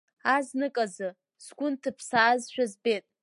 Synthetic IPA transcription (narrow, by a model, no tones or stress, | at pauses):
aznɨkʼazɨ | sɡʷʊntʰɨpʰsaːzʃᶣazbetʼ